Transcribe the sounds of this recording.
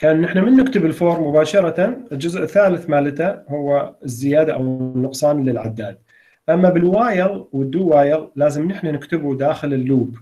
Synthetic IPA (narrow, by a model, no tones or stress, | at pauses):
kaːnːɪħnamɪnːɪkt̪ɪbɪlfoːɾˤmʊbaːʃɑɾˤɑt̪anɪld͡ʒʊzʔɪθːaːlɪθmaːlɪt̪ahʊwːaɪzːɪjaːd̪aʔawnːʊqsˤɑːnlɪlʕa̰d̪ːaːd̪̚ | ʔamːabɪlwaːjɪɣwɪd̪ːuwaːjɪɣlaːzɪmnɪħnanɪkt̪ɪbud̪aːxɪlɪlːuːb